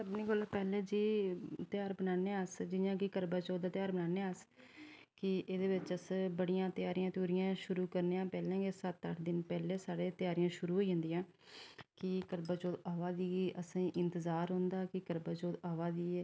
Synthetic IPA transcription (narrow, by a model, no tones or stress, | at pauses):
səbniːɡəlapɛːleːd͡ʒiːt̪ɪjaːɾbənaːneːəsd͡ʒɪjãːkɪkəɾbaːt͡ʃoːd̪aːt̪ɪjaːɾbənaːneəs | kɪʔeːd̪eːbɪt͡ʃəsbəɽijãːt̪ɪjaːɾiːãːt̪uːɾijãːʃʊɾuːkəɾneːãːpɛːlãːɡeːsət̪ːəʈʰd̪ɪnpɛːleːsaːɽeːt̪ɪjaːɾijãːʃʊɾuːɦoːiːɦʊ̃nd̪iːãː | kɪkəɾbaːt͡ʃoːd̪aːʋaːd̪iːiʔəsĩːʔɪnt̪əzaːɾɦõːnd̪aːkɪkəɾbaːt͡ʃoːd̪aːʋaːdiːɛː